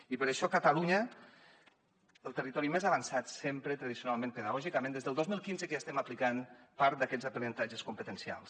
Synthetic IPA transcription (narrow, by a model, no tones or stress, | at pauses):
ipəɾəʃɔkət̪aluɲə | əlˠt̪ərit̪ɔɾimezaβansat̪sempɾət̪ɾəðisiunalˠmẽnpəðaɣɔʒikamẽnd̪ezðəlˠozmilˠkinzəkəʒaːst̪ɛmaplikanpaɾt̪̚d̪akɛzəpənənt̪ad͡ʒəskumpət̪ənsia̰lˠs